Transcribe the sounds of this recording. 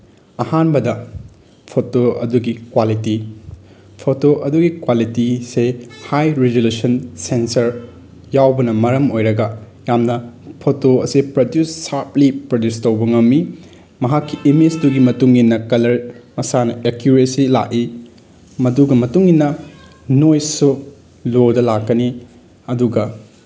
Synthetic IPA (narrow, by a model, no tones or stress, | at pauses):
ɐhanbɐdɐ | pʰotoɐ̰duɡikwaliti | pʰotoʔɐduɡikwalitisehajɾeɡulesɐnsensɐɾ | jawbɐnɐmɐɾɐmojɾɐɡɐ | jamnɐpʰotoɐsipɾɐdjusːaɾplipɾɐdjustowbɐŋɐmːi | mɐɦakːiʔimesduɡimɐtuŋinːɐkɐlɐɾmɐsanɐekjuɾesila̰ʔi | mɐduɡɐmɐtuŋinːɐ | nojsu | lodɐlakːɐni | ɐduɡɐ